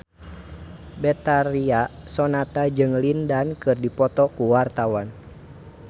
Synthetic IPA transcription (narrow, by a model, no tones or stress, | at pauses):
bɛt̪aɾia | sɔnat̪ad͡ʒɨŋlindankɨrdipɔt̪ɔkuwart̪awan